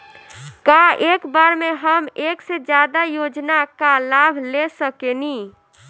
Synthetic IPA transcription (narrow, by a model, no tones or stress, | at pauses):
kaekbaɾmeɦəmeksed͡ʒad̪ajod͡ʒnakalabʱlesəkeni